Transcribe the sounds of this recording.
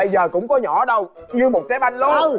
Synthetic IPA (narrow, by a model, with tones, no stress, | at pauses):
ə˧jzəː˨˩kʊ̰˧˥ŋ͡mkɔ˨˦ɲɔ̰˧˩ɗə˧w | ɲɨ˧mo˨˩t̚kaː˨˦ɓa˧ŋlo˦˨˧